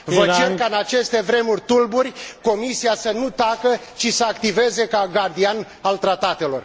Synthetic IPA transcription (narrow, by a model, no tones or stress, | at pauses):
vət͡ʃe̞rkaɨnat͡ʃe̞st̪e̞vɾe̞murʲt̪ulburʲko̞misiasənut̪akət͡ʃisəakt̪ive̞ze̞kaɡard̪ian | alt̪ɾat̪at̪e̞lo̞r